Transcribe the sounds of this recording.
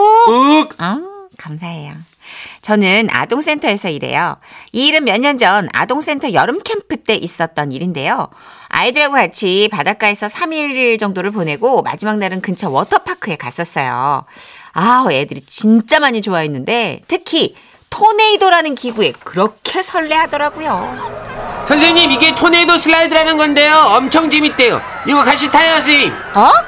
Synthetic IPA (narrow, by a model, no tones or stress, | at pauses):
ʌkamsʰaɦe̞jo | t͡ɕʌnɯna̰doŋs͈ʰe̞ntʰʌe̞sʰʌiɾe̞̰jʌiːɾɯnmjʌɲːʌnd͡ʑʌna̰doŋs͈ʰe̞ntʰʌjʌɾɯmkʰe̞mpʰɯt͈e̞ʔis͈ʌt̚t͈ʌniɾinde̞jo | a̰idɯɾaɡokat͡ɕʰipadak͈ae̞sʰʌsʰamiɭd͡ʑʌŋdoɾɯɭpone̞ɡoma̰d͡ʑimaŋnaɾɯnkɯnt͡ɕʰʌwʌtʰʌpʰakʰɯe̞kas͈ʌs͈ʌjo̰ | ajedɯɾit͡ɕint͡ɕ͈amaɲit͡ɕoainːɯnde̞tʰɯkʰi | tʰone̞idoɾanɯnkiɡue̞kɯɾʌkʰe̞sʰʌɭːe̞ɦadʌɾaɡojo | sʰjʌns̬ʰeɲimiɡe̞tʰone̞idosʰɯɭːaidɯɾanɯnɡʌnde̞joʌmt͡ɕʰʌŋd͡ʑemit̚t͈e̞jo̰ | iɡʌkaɕʰitʰajead͡ʑi | ʌ